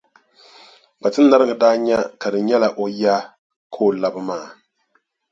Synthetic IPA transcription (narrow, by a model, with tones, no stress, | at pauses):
ba˨tɨ˦nː˦a˦ɾɨ˦ɡɨ˨daː˦ɲɛ˦ka˨dɨ˨ɲɛ˦la˨ʔo˦ja˦ | kʰoː˦˨la˦bɨ˦maː˦˨